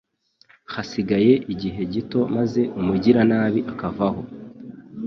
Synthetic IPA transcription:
hasiɡaje̞ʔiɟiɦe̞ɟito̞maze̞ʔumuɟiɾanaːβiʔakavaho̞

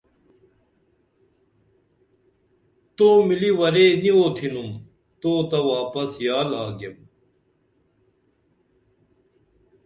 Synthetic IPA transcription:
t̪oːmiliwɐɾeːnioːt̪ʰinum | t̪oːt̪ɐwaːpɐsjaːlaːɡem

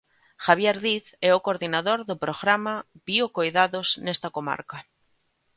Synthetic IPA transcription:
xaβjeɾðiθɛokoɾðinaðoɾðʊpɾoɣɾamab̥iokojðaðoznɛst̪ɐkoma̰ɾka

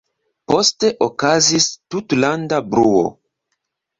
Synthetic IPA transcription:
po̞ste̞ʔokazistutlandabɾuo̰

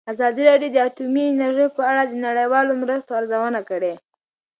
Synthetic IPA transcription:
azɑd̪iɾɑɖjod̪əatumiɪnaɾʒəjpəaɽad̪ənaɽəjwɑlomɾəst̪oaɾzawənakəɽe

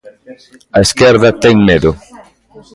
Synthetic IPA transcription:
ɐeskɛɾðɐt̪ɛŋmeðʊ

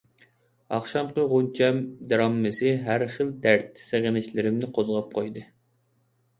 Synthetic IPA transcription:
ɑ̰χʃɑmqəʁunt͡ʃʰɛmd̪ɾɑmːɨsɨɦæɾχəld̪æɾt̪seʁənɪʃlɪɾɪmnɪqʰozʁɑp̚qʰojd̪ɨ

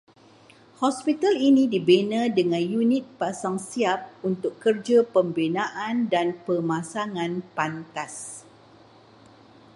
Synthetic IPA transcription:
hɔspit̪alinĩdibenə̃dəŋãnjunit̪̚pasaŋsiap̚unt̪ʊkːərd͡ʒapəmbinãʔandanpəmãsaŋãnpant̪as

